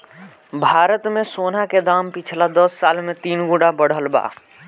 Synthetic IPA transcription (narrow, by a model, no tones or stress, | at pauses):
bʱaːɾət̪mẽsoːnaked̪aːmpɪt͡ʃʰlad̪əsːaːlmẽt̪iːnɡuɖabəɽ̤əlba̰ː